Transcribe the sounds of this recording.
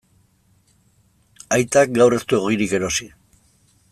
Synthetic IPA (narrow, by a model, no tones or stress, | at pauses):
ajt̪ak̚ɡawre̞st̪ueɣ̞iɾike̞ɾo̞si